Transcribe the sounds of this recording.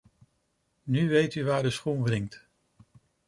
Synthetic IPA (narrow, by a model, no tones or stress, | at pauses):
nyʋejtyʋaːɹdəsχunvrɪŋt